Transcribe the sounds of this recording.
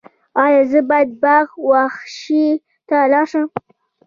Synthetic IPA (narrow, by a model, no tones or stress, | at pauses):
ɑjɑzəbajad̪̚baxwaxʃi | t̪alɑʃəm